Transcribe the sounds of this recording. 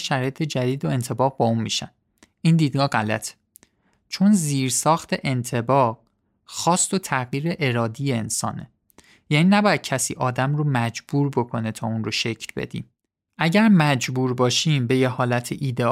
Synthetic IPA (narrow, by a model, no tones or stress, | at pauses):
ʃæɾɒːjet̪ʰe̞d͡ʒæd̪iːd̪oe̞nt̪ʰe̞bɒːɣbɒːunmiːʃæn | ind̪iːd̪̚ɡɒːɢælæ̰t̪ʰe̥ | t͡ʃʰo̞nziːɾsɒːxt̪ʰe̞ʔe̞nt̪ʰe̞bɒː | xɒːst̪ot̪ʰæɣjiːɾeʔeɾɒːd̪ijeensɒ̰ːnḛ | jæniːnæbɒːjæd̪̥̚cʰæsḭːʔɒːd̪æmromæd͡ʒbuːɾbokʰo̞net̪ʰɒːunroʃe̞cʰlbe̞̰d̪ḭːm | ʔæɟæɾmæd͡ʒbuːɾbɒːʃiːmbe̞jehɒːlæt̪ʰeʔiːd̪e